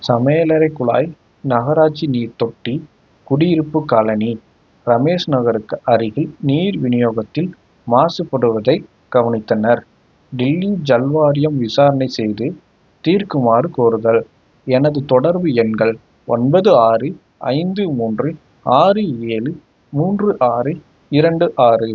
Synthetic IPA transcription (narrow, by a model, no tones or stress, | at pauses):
sɐmeːlɐɾɐɪkːʊɭa̰ːj | nɐɣɐɾaːt͡ʃiniːɾt̪ɔʈːi | kʊɽɪjɪɾɯpːɯkːaːlɐni | ɾɐmeːʂnɐɣɐɾɯkːɐɾɯɣɪɭniːɾʋɪnɪjoːɣɐt̪ːɪl | maːsɯpːɐɽɯʋɐðɐɪ | ɡ̥ɐʋɐnɪt̪ːɐnɐɾ | ɖɪlːid͡ʒɐlʋaːɾɪjɐmʋɪsaːɾɐnɐɪsɛjðɯ | t̪iːɾkɯmaːrɯkoːɾɯðɐɭ | ɛnɐðɯt̪ɔɽɐɾbɯɛnɡɐɭ | ɔnbɐðɯaːrɯ | ɐ̰ɪnd̪ɯmuːndrɯ | aːrɯeːlɯ | muːndrɯʔaːɾɯ | ɪɾɐɳɖɯʔaːrɯ